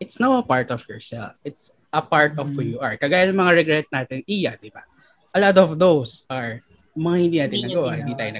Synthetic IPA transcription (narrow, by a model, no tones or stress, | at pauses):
ʔɪt̪snawɐpaɹt̪ɔfjɔɹsɛ̰lfʔɪt̪s | ʔɐpaɹt̪ɔvhujuʔɐɹkɐɡaːjɐnɐŋmɐŋaɹɛɡɹɛt̪̚naːt̪ɪnʔijad̪ɪba | ʔɐlɔt̪ɔvðowsɐɹ | mɐŋahɪ̃nd̪iːnaːt̪ɪnnɐɡɐwahɪnd̪iːt̪aːjʊnɐ